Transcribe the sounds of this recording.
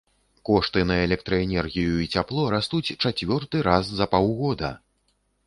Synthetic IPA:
kɔʂt̪ɨnɐɛlʲɛk̚t̪ɾɐɛnʲɛrɣʲijuit͡sʲaplˠɔɾast̪ut͡sʲt͡ʂat͡sʲvʲɔrt̪ɨɾaszɐpawɣɔd̪ɐ̰

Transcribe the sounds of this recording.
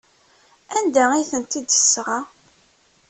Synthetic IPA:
ænd̪æiθənt̪id̪jəsːʁa

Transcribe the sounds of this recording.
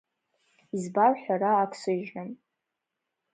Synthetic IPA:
izbarħʷᶣaɾaːkʷʰsɨʒɨm

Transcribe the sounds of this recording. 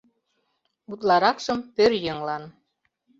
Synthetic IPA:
ut̪̬lɑɾɑkʃɤ̆mpøɾjɤ̆ŋlɑn

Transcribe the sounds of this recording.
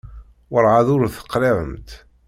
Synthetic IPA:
wəɾʕaðʊɾθə̥qːɾɪʕə̰mt̪

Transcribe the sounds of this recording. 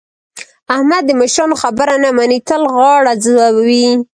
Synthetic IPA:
ahmad̪ːəməʃɾɑnoxabəɾanamanit̪əlɣɑɽazawabawi

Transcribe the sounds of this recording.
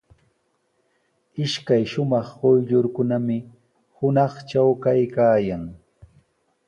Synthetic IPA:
ɪʃkajʃʊmɑχɢojʎʊɾkʊnamɪ | hʊnɑχt͡ʃawkajkaːjaŋ

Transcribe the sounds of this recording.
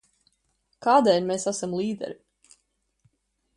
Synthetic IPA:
kaːd̪ɛlʲmeːsasamlˠiːd̪ɛ̰ɾi

